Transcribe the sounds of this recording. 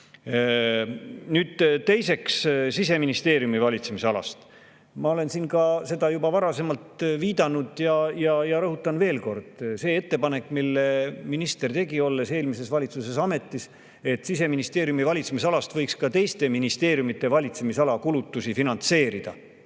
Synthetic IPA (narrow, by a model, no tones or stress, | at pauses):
nyːd̪̥t̪e̞jse̞kssise̞minist̪e̞ːɾjumivɑlʲit̪se̞misɑlɑ̰st̪ | mɑo̞le̞nsiːnkɑse̞d̪ɑjubɑvɑɾɑse̞mɑlt̪viːd̪̥ɑnud̪jɑjɑjɑɾɤɦut̪ːˑɑnve̞ːlko̞rd̪̥se̞ːet̪ːe̞pɑne̞kːˑmilːe̞minist̪ert̪e̞ɡio̞lːe̞se̞ːlmise̞svɑlʲit̪suse̞sɑme̞t̪ːˑis | e̞t̪sise̞minist̪e̞ːɾjumivɑlʲit̪semis̬ɑlɑst̪vɤjkskɑt̪e̞jst̪e̞minist̪eːɾjumit̪ːˑe̞vɑlʲit̪se̞misɑlɑkulut̪ːusifinɑnt̪se̞ːɾid̪̥ɑ̰